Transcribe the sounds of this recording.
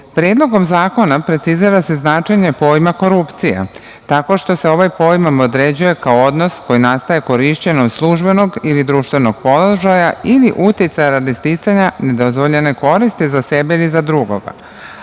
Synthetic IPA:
pɾeːd̪lˠo̞ɡo̞mzaːko̞napɾe̞t̪siziɾase̞znaːt͡ʃeɲe̞po̞jmako̞ɾupt̪sijḛ | t̪ako̞ʃt̪o̞se̞o̞ʋajpo̞jmamod̪ɾed͡ʑuje̞kaoo̞d̪no̞sko̞jinast̪aje̞ko̞ɾiʃt͡ɕe̞nomslˠuʒbe̞no̞ɡilid̪ɾuʃt̪ʋeno̞ɡ̥po̞loʒajailiʔut̪jit̪sajaɾad̪ist̪it̪saɲane̞d̪o̞zʋo̞ʎe̞ne̞ko̞ɾist̪izase̞beilizad̪ɾuɡo̞̰ɡa̰

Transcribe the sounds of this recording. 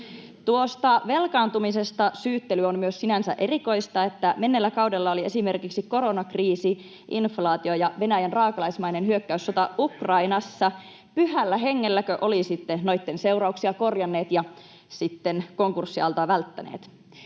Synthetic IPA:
t̪uo̞st̪ɑʋe̞lkɑːnt̪umise̞st̪ɑsyːt̪ːelyo̞nmyøssinænsæ̰ʔe̞riko̞jst̪ɑe̞t̪ːæme̞nːelːækɑwde̞lːɑolie̞sime̞rkiksiko̞ɾo̞nɑkriːsi | ʔinflɑːt̪io̞jɑʋe̞næjænrɑːkɑlɑjsmɑjnenɦyø̞kːæysːo̞t̪ɑukrɑinɑsːɑ | pyɦælːæɦeŋːelːækøʔo̞lisit̪ːeno̞jt̪ːe̞nse̞wrɑuksiɑko̞rjɑnːe̞ːt̪jɑ | sit̪ːenko̞ŋkursːiɑlt̪ɑʋælt̪ːænḛːt̪

